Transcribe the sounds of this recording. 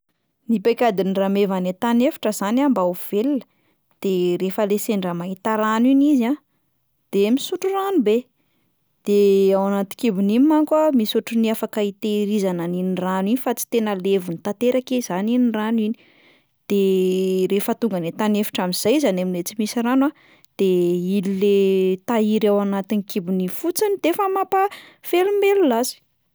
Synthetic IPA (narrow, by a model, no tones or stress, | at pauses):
nipekʲad̪iniramevanet̪anefi̥ʈ͡ʂəzanambauv̥elinə̥ | d̪̥eɾefəleseɳɖ͡ʐamaɦit̪aɾaniniza | d̪̥emisuʈ͡ʂuranube | d̪̥eawanat̪i̥kibunimmaŋkwamisuʈ͡ʂuniafakait̪eɾizananiniraninifat͡si̥t̪enəlevunit̪at̪eɾakez̥aniniranwini̥ | d̪̥eɾefət̪uŋɡanet̪anefi̥ʈ͡ʂamiz̥ajzanaminet͡simisiranwa | d̪̥eililet̪aiɾawanat̪inikibunifut͡sinid̪efəmapafelumbelulazi̥